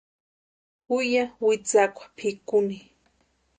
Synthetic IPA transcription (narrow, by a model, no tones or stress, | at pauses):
ʊjawɪt͡sakʷḁpʰɪkʊni